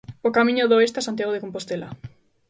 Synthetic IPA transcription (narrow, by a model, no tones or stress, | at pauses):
okamĩɲoðoest̪asant̪jaɣoðekompost̪ela̰